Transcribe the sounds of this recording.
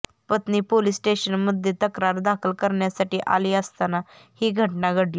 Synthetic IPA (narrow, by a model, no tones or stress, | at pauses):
pət̪niːpoliːsʈeɕənməd̪ʱjet̪əkɾaɾd̪akʰəlkəɾɳjasaʈiːʔa̰liːəst̪ana | hiːɡʱəʈnaɡʱəɽli